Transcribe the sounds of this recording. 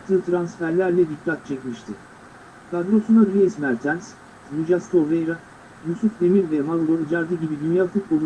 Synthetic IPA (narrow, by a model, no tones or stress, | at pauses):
t̪ʰːɯːt̪ʰɾansfæɾlʲæɾlʲɛd̪ikʰːat̪̚t͡ʃʰɛcmiʃt̪ʰɪ | kʰad̪ɾo̞sunaɾɾejsmæɾt̪ʰæns | ɾud͡ʒaskovejɾa | jusufd̪emiɾvɛmalˠɡoɾid͡ʒaɾd̪ɯɟibid̪ynjalˠt̪ʰɯkbolˠu